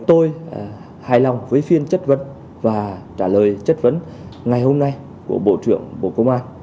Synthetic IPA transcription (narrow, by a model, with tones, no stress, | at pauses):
t̪o˧j | haː˧˩jla˨˩wŋ͡mvəː˨˦jfi˧ənt͡ɕə˦˥t̚və˨˦n | vaː˨˩t͡ɕaː˧˩ləː˨˩jt͡ɕə˦˥t̚və̰˨˦n | ŋa˨˩jho˧mna˧j | ku˧˩əɓo̰˧˨t͡ɕɨ̰˧˩˨əŋɓo̰˧˨kə˧wŋ͡mʔaː˧n